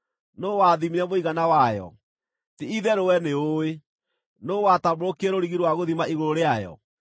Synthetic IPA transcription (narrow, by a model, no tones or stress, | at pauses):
nowaðimiɾɛmoiɣanawajɔ̰ | tiiðɛɾowɛneoe | nowatamoɾokɛɾoɾiɣiɾwaɣoðimaʔiɣoɾoɾeajɔ̰